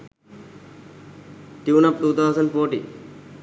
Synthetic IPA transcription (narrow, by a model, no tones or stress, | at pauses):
ʈjuːnɐp̚t̪uːt̪ʰawzə̃ɳɖfoːʈḭ